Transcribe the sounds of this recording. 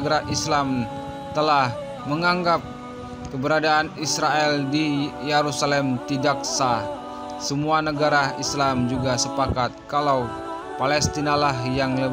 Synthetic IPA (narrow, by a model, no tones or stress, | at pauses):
ɡaɾaʔislam | t̪əlah | məŋaŋɡap̚ | kəbəɾadaːnisɾaɛldijeɾusalɛmt̪idak̚sa | səmuanəɡaɾaislamd͡ʒuɡasəpakat̪̚kalaw | palɛst̪inalaɦjaŋlə